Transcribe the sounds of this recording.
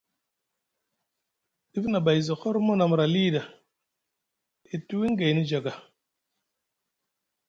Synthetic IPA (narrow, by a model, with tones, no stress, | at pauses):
ɗi˦fna˨ba˨jzɔ˨xɔ˦ɾmo˦na˨m˨ɾa˨li˦˨da˨ | i˨tu˦wi˦ŋ˦ɡe˨jni˦d͡ʒa˨ɡa˨